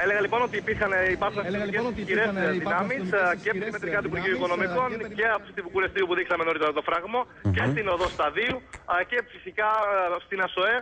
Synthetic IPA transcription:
ele̞ɣɐlipo̞no̞t̪iːpiɾxɐnibɐsosɐsɐt̪icesisçiɾeszðinɐmisceimet̪ɾikɐt̪ipuɾʝioiko̞no̞miko̞nce̞ɐposit̪ibukulest̪iupuðiksɐmenoɾit̪ɾt̪ofɾɐɣmo | ce̞st̪ino̞ðost̪ɐðiucefisikɐst̪inɐso̞e̞

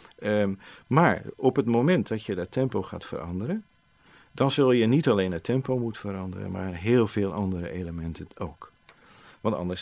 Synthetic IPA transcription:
maːɹɔpətmowmɛntdɑtjədətɛmpowχa̰ːtfə̰rɑ̰ndəɾən | dɑnzɵlˠjənitɑlejnətʰɛmpowmutəfəɾɑndə̰ɾə̰nma̰ːrnɦeːlˠv̥eːlˠʔɑndəɾə̰ʔejləmɛntəowk | ʋɑntɑ̰ndəs

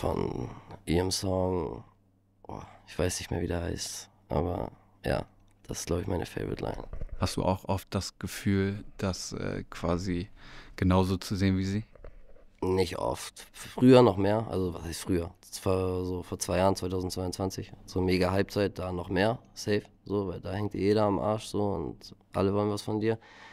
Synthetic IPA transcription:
fɔ̰nʔiːʁəmsɔŋ | ʔo̰ːɪçv̥aɪsnɪçtmḛːɐviːdɛha̰ɪst | ʔa̰ːbɐ̰ | ja̰ː | d̥asɪ̥stɡ̥laʊbəçmaɪnʔə̰fḛɪvɪ̰tʰlʔa̰ɪnhastd̥ṵːʔa̰ʊxʔɔft̚d̥asɡ̥əfyːld̥asʔɛ̰ːkv̥aːziɡ̥ənaʊzoːt͡suzeːənviːziː | nɪçtʔɔ̰ftfʁ̥yːɐnɔχmeːɐʔa̰lzovashaɪstfʁ̥yːɐ | foːɐzoːfoːɐt͡sv̥aɪjaːʁənt͡svaɪtʰaʊzn̩tt͡sv̥aɪʊntt͡sv̥ant͡sɪçz̥oːmeːɡaɦalp̚t͡saɪt̚d̥aːnɔχmeːɐsɛɪf | z̥oːvaɪldaːhɛŋt̚dḭjeːɾɐamʔa̰ɐʃz̥oːʊ̰ntʔa̰ləvɔlənvasfɔndiːɐ

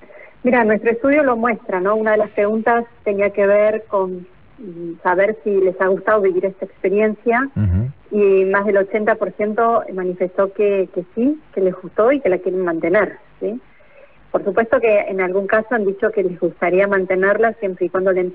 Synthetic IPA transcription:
miɾanwest̪ɾo̞est̪uð̞jo̞lo̞mwe̞st̪ɾano̞unað̞e̞laspɾe̞ɣunt̪ast̪e̞niake̞β̞eɾko̞n | saβ̞e̞ɾsile̞saɣ̞ust̪aðoβiβiɾest̪aekspe̞ɾje̞nsja | imazðe̞lo̞t͡ʃe̞nt̪apo̞ɾsje̞nt̪o̞manife̞st̪o̞keke̞sikele̞zɣust̪o̞ike̞lakje̞ɾenmãnt̪e̞neɾsi | po̞ɾsupwest̪o̞ke̞enalɣuŋkaso̞and̪it͡ʃo̞ke̞lezɣust̪aɾiamãnt̪e̞neɾlasjempɾeikwand̪olen

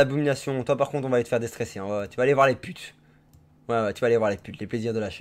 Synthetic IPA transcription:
abuminasjɔ̃t̪wapaʁkɔ̃t̪χɔ̃vaːlet̪ə̥fɛʁd̪est̪χɛseɛ̃vat̪yvaːlevwaʁlepyt̪ | wɛwɛt̪yvaːlevwaʁlepyt̪lepleziʁd̪əlaʃɛ

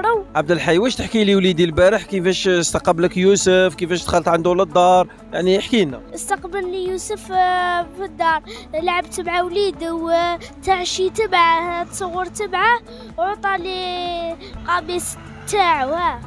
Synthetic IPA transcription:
ɾəwʕab̚d̪əlħajwæʃt̪əħkiliwlid̪ilbæɾəħkəfæʃst̪ɑqɑbləkjusəfkəfæʃt̪xəlːət̪ʕand̪uləd̪ːɑɾˤ | jaʕniəħkinæ̰ʔəst̪ɑqbəlːijusəf | fid̪ːɑɾˤlʕəbt̪əbʕawlid̪əwt̪aʕʃit̪əbʕad̪sˤəɣuɾt̪əbʕa | ot̪ˤɑli | qɑbis | t̪ːaʕhæ

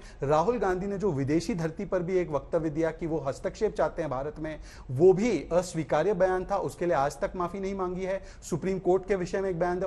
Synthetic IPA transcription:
ɾaːɦʊlɡãːnd̪ʱined͡ʒoːʋɪd̪eːʃid̪ʱɐɾt̪ipɐɾbʱieːkʋɐk̚t̪əʋjəd̪ijakiʋoɦɐst̪əkʃeːpt͡ʃaːɦt̪ẽɦɛ̃bʱaːɾət̪mẽ | ʋoːbʱiəsʋiːkaːɾjəbɐjaːnt̪ʰaʔʊskelieaːd͡ʒt̪ɐkmaːfinɐɦĩmãːŋɡiɦɛː | sʊpɾiːmkoːɾʈkeʋɪʃəmẽeːk̚bɐjãːnd̪

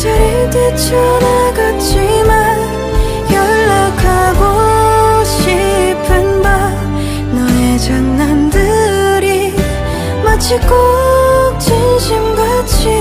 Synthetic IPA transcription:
t͡ɕeɾɯtɯt͡ɕʰoneɡat͡ɕʰiman | jʌɭːakʰaɡo | ɕʰipʰɯnba | nʌned͡ʑʌnːandɯɾi | mat͡ɕʰik͈ok̚t͡ɕinɕʰimɡat͡ɕʰi

